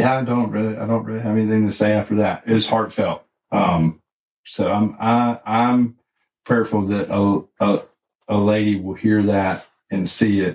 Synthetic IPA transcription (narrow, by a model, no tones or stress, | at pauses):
jæaɪdõʊ̃nʔ̚ɹɪlˠia̰ɪdõʊ̃nʔɹɪlˠiɦɨvɛniθɪ̃ŋtʰɨseɪæftə˞ðɨt̚ɪz̥hɑɹtfɛlˠt̚ | ʌ̃m | soʊãɪ̃maɪãɪ̃m | pʰɛɹfl̩ˠðɨɾʔəə | əleɪɾiwɪlˠhiɹðɨɾ | ɨ̃nsiɪt̚